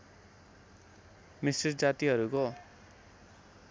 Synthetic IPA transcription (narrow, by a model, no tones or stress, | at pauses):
misird͡zat̪iɦʌɾuko